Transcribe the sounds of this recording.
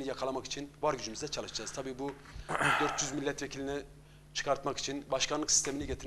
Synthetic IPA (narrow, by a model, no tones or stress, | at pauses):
nijakʰalˠamaki̥t͡ʃʰinvaɾɟyd͡ʒymyzd̪ɛt͡ʃʰalˠɯʃd͡ʒaːz̥t̪ʰabiːbu | d̪øɾt̪ʰjyzmilʲːɛt̪vecʰilʲinɛ | t͡ʃʰɯ̥kʰaɾt̪maki̥t͡ʃʰinbaʃkʰanlˠɯksi̥st̪ʰe̞miniɟet̪ʰiɾ